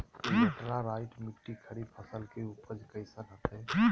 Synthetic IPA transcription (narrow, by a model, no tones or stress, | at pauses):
ʈɾaɾaɪʈmiʈːikʰəɽipʰəsəlkeupəd͡ʒkəɪsəɾɦət̪ʰe